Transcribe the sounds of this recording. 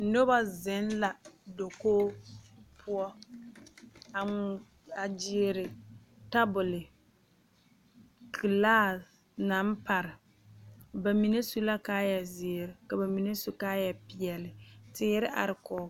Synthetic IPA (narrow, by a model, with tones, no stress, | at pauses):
no˦ba˦zɪ˨˦n˦la˨do˨koː˦ | pʰʊ˦ɔ˦ | a˨ | a˨d͡ʒi˦e˦ɾɪ˨ | ta˦bʊ˨lɪ˨ | kʰi˨laː˦˨ | na˦m˦pa˨ɾɪ˨ | ba˨mi˨ne˦su˦la˦kaː˦jɛ˨zɪ˨ɾɪ˨ka˨ba˨mi˨ne˦su˦kaː˦jɛ˨pɪ˨ɛ˨lɪ˨tɪː˦ɾɪ˦ʔa̰˨ɾɪ˨kɔː˨˦